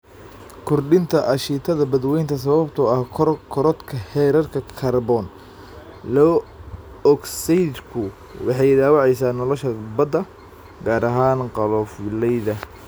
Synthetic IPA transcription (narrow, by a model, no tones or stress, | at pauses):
kʰɔrɖɪnt̪ʰɐʔɐʃiːt̪ʰɐðɐbɐd̪wɛjnt̪ʰɐs̬ɐβɐbt̪ʰɔɐhkʰkʰɔɾɔd̪kʰɐhɛːɾɐrkʰɐkʰɐrbɔn | lɔ | ɔksijd̪kʰʊ | wɑħɑjd̪aːwɑʕɛjsaːnɔlɔʃɐbɐd̪ɐ | ɡaːɾɐɦaːnqɑlɔfɪlɛjðɐ